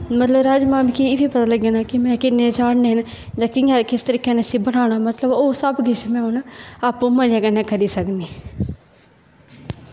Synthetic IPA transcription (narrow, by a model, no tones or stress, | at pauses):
mɐt̪ləbɾaːd͡ʒmaːmkiɪbipɐt̪aːləɡjaːnakimɛ̃ːkɪnːẽt͡ʃaːɽneɦənd͡ʒãːkɪakɪst̪əɾiːkenesĩbəɽ̃aːɽ̃amət̪ləboːsəbɡɪʃmɛ̃ɦonaːpːũːmɐ̃d͡ʒeːkənɛ̃ːkəɾiːsəkniː